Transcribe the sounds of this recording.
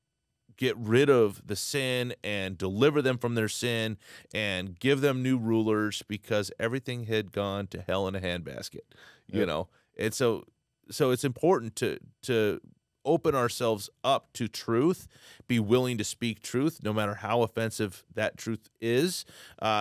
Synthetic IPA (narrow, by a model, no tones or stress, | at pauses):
ɡ̥ɛt̚ɹɪɾʌvðɨsɪ̃nɨ̃ndəlɪvə˞ðɨ̃ɱfɹʌ̃mðə˞sɪ̃nʔɨ̃nɡɪvðɨ̃mnʉɹulˠə˞zb̥ɨkʰʌzɛvɹiθɪ̃ŋɨd̚ɡɔ̃ntʰɨhɛlˠə̃nɨɦæ̃nbæ̰skɨt̚jɨno̰ʊ | ʔɨ̃nsoʊ | soʊɨtsɨ̃mpʰɔɹʔn̩tʰɨ̰ɾɨ | oʊpɨ̃nəə˞sɛlˠvzʌp̚tʰɨtʰɹ̥ʉθb̥iwɪlˠɪ̃ŋtɨspik̚tʰɹ̥ʉθnoʊmæɾə˞haʊəfɛ̃nsɨvðɨtʰɹ̥ʉθ | ɪz̥ʔ